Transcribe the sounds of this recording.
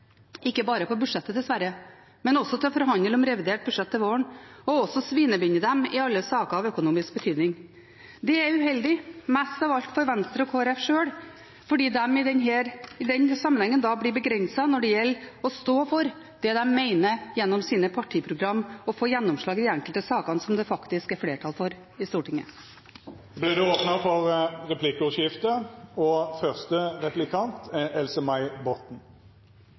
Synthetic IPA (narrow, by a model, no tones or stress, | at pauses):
ɪkːəbɑːɾəfɔɾbʉ̥ʂɛt̪ːəd̪ɛsʋæɾə | mɛnɔsɔt̪ʰɪɔfɔɾɦɑnd̪əlɔmɾɛʋɪd̪eːʈ̚bʉʂɛt̪ːɪʋoːəɳɔɔsɔsʋiːnəbʏnːəd̪ɛmɪɑlːəsɑːkəɑʋœkʊnuːmɪsk̚bət̪ʰyːd̪nɪŋ | d̪ɛæʉhɛld̪ɪmɛst̪ɑʋɑlt̪fɔɾʋɛnst̪ɾəɔkʰoːɛɾɛfʂøːɽ | fɔɖiːd̪ɛmɪd̪ɛnɦɛːɾɪd̪ɛnsɑmːənɛŋːənd̪ɑblɪbəɡɾɛnsɑnɔɖɛjɛlːɔst̪oːfɔɾ | d̪̥ɛd̪ɛmmɛɪnəjɛnːɔmsiːnəpʰɑʈʰiːpʰɾʊɡɾɑmːɔfoːjɛnːɔmʂɭɑːɡd̪ɪɛŋkəlt̪əsɑːkɑnsɔmd̪ɛfɑkt̪ɪskɛɾfleːʈʰɑlfɔɾ | ɪst̪uːʈʰɪŋːə̰ | blɪd̪ɛoːpnəfɔʁʁɛpʰlɪkːəʉʂjɪft̪əɔfœʁst̪əʁɛplɪkʰɑnt̪ɛlsəmɑɪbɔt̪n̩